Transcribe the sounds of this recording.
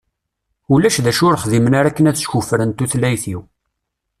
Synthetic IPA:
ulæʃðæʃʊɾχðimənaɾækːənæðʃçufɾənt̪uθlæjθiw

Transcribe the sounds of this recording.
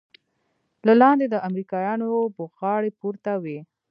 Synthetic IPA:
lalɑnd̪ed̪əʔamɾikɑjɑnoboɣɑɽepuɾt̪awe

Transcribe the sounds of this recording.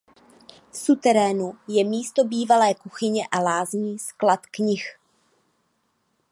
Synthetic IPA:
fsut̪ɛɾɛːnujɛmiːst̪o̞biːvalɛːkuxɪɲɛʔalaːzɲiːsklat̪kɲɪx

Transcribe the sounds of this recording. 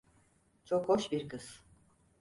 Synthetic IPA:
t͡ʃʰokhoʃbiɾkɯz̥

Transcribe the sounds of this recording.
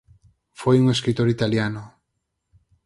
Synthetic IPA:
fojuŋeskɾit̪oɾit̪aljanʊ

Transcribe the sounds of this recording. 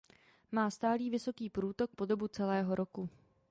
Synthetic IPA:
maːst̪aːliːvɪso̞kiːpɾuːt̪o̞k̚po̞do̞but͡sɛlɛːɦo̞ɾo̞ku

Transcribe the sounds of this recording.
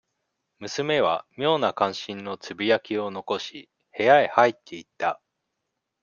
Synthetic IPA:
mɯ̟sɨme̞β̞a̰mʲjo̞ːnakãɰ̃ɕĩnno̞t͡sɨbʲijakʲio̞no̞ko̞ɕi | he̞jaehait̪ʰːe̞it̪ːa

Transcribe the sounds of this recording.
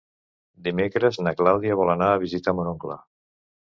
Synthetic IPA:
d̪imekɾəznaklawðiaβɔlanaːβizit̪amoɾoŋkla̰

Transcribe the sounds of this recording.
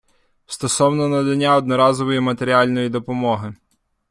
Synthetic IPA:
st̪ɔsɔwnɔnɐd̪ɐnʲːaɔd̪nɔɾɑzɔʋɔjimɐt̪eɾʲialʲnɔjid̪ɔpɔmɔɦɪ

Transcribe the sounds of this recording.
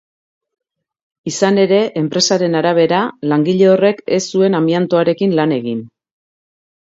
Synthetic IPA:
isane̞ɾe̞ʔempɾe̞saɾe̞naɾaβ̞e̞ɾalaŋɡiʎe̞o̞re̞ke̞sːue̞namiant̪oaɾe̞kinlane̞ɣin

